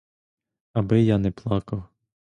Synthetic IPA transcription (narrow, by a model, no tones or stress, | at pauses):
ɐbɪjanɛplˠɑkɐw